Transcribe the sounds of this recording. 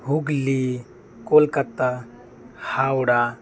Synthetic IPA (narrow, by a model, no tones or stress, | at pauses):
ɦuɡli | kolkat̪ːa | hawɽa